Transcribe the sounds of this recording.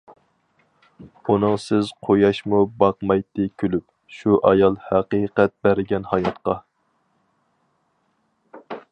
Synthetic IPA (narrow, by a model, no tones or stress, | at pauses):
unɨŋsɪz̥qʰojɑʃmubɑqmɑjt̪ːɨkʲʰølyp̚ | ʃuʔɑjɑlˠhæqiqɛt̪̚bæɾɪɡʲɛnhɑjɑt̪qɑ